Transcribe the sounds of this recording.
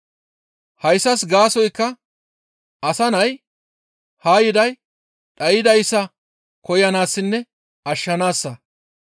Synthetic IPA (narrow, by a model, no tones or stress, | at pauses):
hɐjsːɐsɡaːsɔjkːɐ | ɐsɐnɐj | haːjɪd̪ɐj | ᶑɐjɪd̪ɐjsːɐ | kɔjɐnaːsːɪnːɛ | ɐʃːɐnaːsːɐ